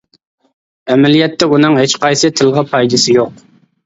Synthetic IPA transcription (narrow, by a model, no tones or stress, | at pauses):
ɛmɛlijɛt̪ʰːɛunɨŋɦet͡ʃqɑjsɨt̪ʰɪlˠʁɑpʰɑjd̪ɨsɪjoq̚